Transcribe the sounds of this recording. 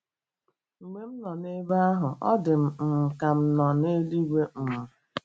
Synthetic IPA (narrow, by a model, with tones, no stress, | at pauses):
ŋ͡m̩˨me˦m̩˦nɔ˨ne˦ba˦a˦ɦʊ˨ʔɔ˦dɪ˨m̩˨m̩˨ka˨m̩˦nɔ˨ne˦li˦we˦m̩˦˨mʊ˦